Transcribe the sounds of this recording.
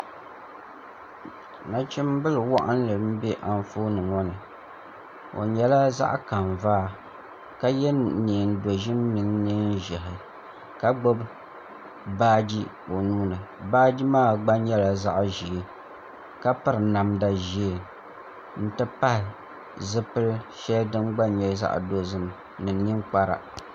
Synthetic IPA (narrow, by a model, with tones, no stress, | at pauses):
na˨t͡ʃi˦m˦bɨ˦lɨ˨wɔ˦ʔa̰˦n˦lɨ˨ɾɨ˦m̩˦bɛ˦ʔa˨n˦foː˦nɨ˨ŋɔ˦nɨ˨ | o̰˨ɲɛ˦la˦za̰˦ʔka˨ɱ˨vaː˦ | ka˦jɛ˦niː˨n˦do˨ʒɪ˦m˦mɨ˨ŋniː˦n˦ʒɛ˨ɦɪ˨ | ka˦ɡ͡bo˦b | baː˦d͡ʒi˦ | o˨nuː˦nɨ˨baː˦d͡ʒi˦maː˦ɡ͡ba˦ɲɛ˦la˨za˦ʔʒi˨˦ | ka˦pɨ˦ɾɨ˨na˨mda˨ʒi˦˨ | n̩˦tɨ˦pa˦hɪ˨ | zɨ˦pɨ˦lʃɛ˦ldɨ˦mɡ͡ba˦ɲɛ˦lza̰˦ʔdo˦zɨ˦m | nɨ˨ɲi˦ŋk͡pa˦ɾa̰˨